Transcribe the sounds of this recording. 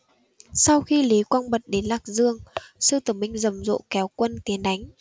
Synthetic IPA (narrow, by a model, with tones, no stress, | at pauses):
sa˧wxi˧li˨˦kwɔ˧nɓə˨˩t̚ɗe˨˦nlaː˨˩k̚zɨ˧əŋsɨ˧t̪ɨ˨˩mï˧ŋ̟zə˨˩mzo̰˧˨kɛ˨˦wkwə˧nt̪e˨˦nɗa˨˦jŋ̟